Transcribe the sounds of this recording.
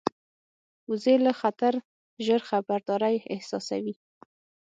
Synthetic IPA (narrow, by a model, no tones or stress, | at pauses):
uzelaxat̪aɾ | ʒəɾxabaɾd̪ɑɾajɪ̰hsɑ̰sa̰wi